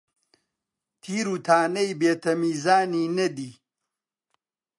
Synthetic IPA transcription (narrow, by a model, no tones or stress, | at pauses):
t̪ʰiːɾuːt̪ʰaːnɐjbeːt̪ʰɐmiːzaːniːnɐd̪iː